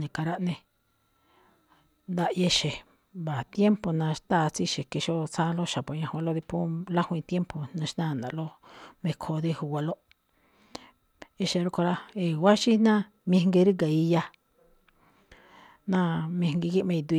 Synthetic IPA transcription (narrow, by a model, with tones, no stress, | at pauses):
nĩ˨ka˧ɾa˦ʔnẽ˧ | nd̪a˧ʔje˧ʃe˨ | ba˨t̪je˦mpo˨nã˧ʃt̪a˦˨˧t͡si˦ʃe˨ke˧ʃo˦t͡sã˦˧lo˦ʃa˨po˨ɲã˧ha˧lo˦ði˧pũ˦la˦hũ˧ĩ˧t̪je˦mpo˨nã˧ʃnã˦˨nd̪ã̰˨lo˦ | mẽ˧kʰo˧ði˦hu˧wʷa˧lo˦ | e˧ʃe˧ɾo˧ko˧ɾa˦e˨wa˦ʃi˦nã˦ | mĩ˧ŋɡe˧ɾi˦ɡa˨i˧ja˧ | nã˦mĩ˧ŋɡi˧ki˦mẽ˧i˧d̪u˧